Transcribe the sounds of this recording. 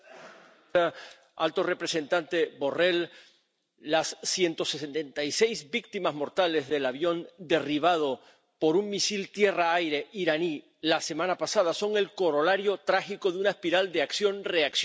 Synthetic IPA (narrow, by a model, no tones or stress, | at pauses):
a | a̰lt̪o̞re̞pɾe̞se̞nt̪ant̪e̞βo̞re̞lː | asːje̞nt̪o̞sesent̪ent̪ajse̞jzbik̚t̪imazmo̞ɾt̪ale̞zðe̞laβ̞jo̞nd̪e̞riβ̞að̞o̞ | po̞ɾuŋmisilt̪je̞raajɾe̞ʔiɾani | lase̞mãnapasað̞aso̞ŋe̞lko̞ɾo̞laɾjo̞t̪ɾaxiko̞ðeunaespiɾald̪eaksjo̞nre̞aks